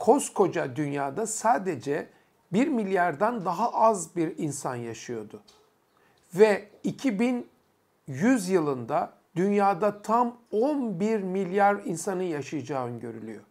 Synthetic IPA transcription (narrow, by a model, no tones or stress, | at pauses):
kʰo̞skʰo̞d͡ʒad̪ynjaːd̪asaːd̪e̞d͡ʒɛ | biɾmilʲjaɾd̪ænd̪aɦaʔazbiɾinsanjaʃɯjo̞d̪ʊ | vɛicʰibin | jyzjɯlˠɯnd̪a | d̪ynjaːd̪at̪ʰamonbiɾmilʲjaɾinsanɯjaʃɯjad͡ʒaːnɟø̞ɾylʲy̰jo̞̰